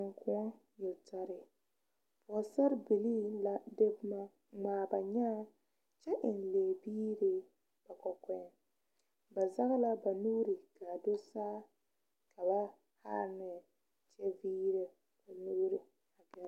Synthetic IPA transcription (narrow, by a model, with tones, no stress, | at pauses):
ŋkʰʊ˦ | jɛ˨lta˨ɾɪ˨ | pɔ˨sa˦ɾbi˨li˦la˦de˦bma˦ | ŋ͡maː˨ba˨ɲa˦ | t͡ʃɛ˦ʔɪ˨nleː˨biː˦ɾɪ˨ | b̥a˨kɔ˨kɛ˦ | ba˨za˦ɣla˦ba˨nuː˦ɾi˨ka˨do˦saː˦ | ka˨ba˦ | ha̰˦ɾnɛ˨ | t͡ʃɛ˦viː˦ɾe˨ | ba˨nu˦ɾi˨ | a˨ɡɛ˦